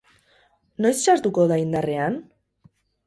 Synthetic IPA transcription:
nojsʃazt̪ukoðaind̪arean

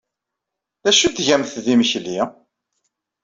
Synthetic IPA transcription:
ðæʃut̪ːʝæmθðiməçli

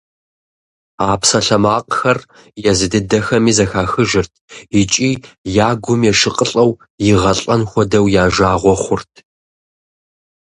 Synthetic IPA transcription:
aːpsɐɬɐmaːqʼxɐr | jɛzɨdɨdɐxɐmiːzɐxaːxɨʒɨrtʰit͡ʃʼiːjaːɡʷʊmjɛʂɨqʼəɬʼɐw | jɪʁɐɬʼɐnxʷɔdɐwjaːʒaːʁʷɔχʷʊrtʰ

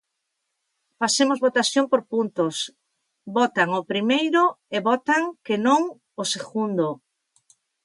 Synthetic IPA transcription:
fasemozβot̪aθjoŋpoɾpunt̪os | bɔt̪aŋopɾimejɾʊeβɔt̪aŋkɪnõŋ | oseɣund̪o

